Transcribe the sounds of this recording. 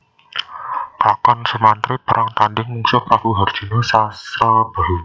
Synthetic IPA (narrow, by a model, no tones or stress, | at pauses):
kakɔnsəmant̪ɾib̥a̤ɾʔaŋt̪andɪŋmuŋsʊkakuɦard̥ʒ̥i̤nosasɾab̥aɦu